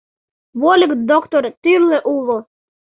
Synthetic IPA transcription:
βolʲəkd̪okt̪oɾt̪ylleʔulˠo

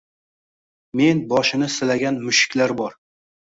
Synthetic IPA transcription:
me̞nbɒʃɪnɪsɪlaɡʲanmʊʃɪ̥kʲlaɾbɒɾ

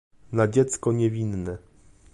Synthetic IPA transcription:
nad͡ʑɛt̪skɔɲɛvʲinːɛ

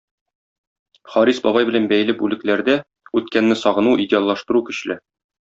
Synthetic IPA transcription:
χɒɾisbɒbɑjbɘ̆lænbæj̆lɘbʉlɘ̆klæɾd̪æ | ʉt̪kænːɘsɒʁɤ̆nuʔidʲɪalˠːɑʃt̪ɤ̆ɾukɵ̆ɕlɘ

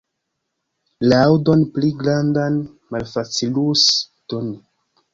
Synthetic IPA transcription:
laawdo̞npliɡɾandan | malfat͡siluston

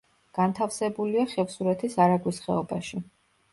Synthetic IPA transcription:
ɡ̥ant̪ʰafsɛbuliaχɛfsuɾɛt̪ʰisaɾaɡwisχɛɔbaʃi

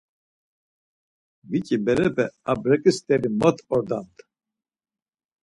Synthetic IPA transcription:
vicʼibɛɾɛpʰɛa̰bɾɛkʼɨst̪ʼɛɾimɔt̪ʰʼɔɾd̪ant̪

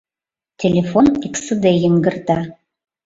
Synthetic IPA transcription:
tʰe̞lefo̞niksɨdejɪŋɡɨrtʼa

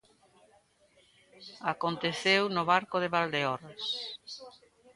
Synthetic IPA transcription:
akont̪eθewnʊβaɾkʊðeβald̪eɔɾas

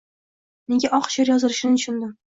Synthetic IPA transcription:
neɡʲaʔɒqʃɑɾjɒzɪɾɪʃɪnɪʊʃʰʊnd̪ɪ

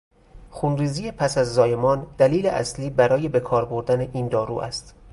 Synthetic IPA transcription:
xunriːziːjepʰæsæzːɒːje̞mɒːnd̪̥æliːleʔæ̰sliːbæɾɒːje̞be̞kʰɒːɾbo̞ɾd̪æne̞ʔiːnd̪ɒːɾṵːʔæ̰st̪

